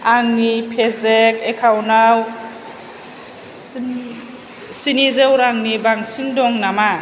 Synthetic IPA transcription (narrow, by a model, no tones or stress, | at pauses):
aŋnipʰezekʰekʰawnaw | sinizewɾaŋnibaŋsiŋdɔŋnama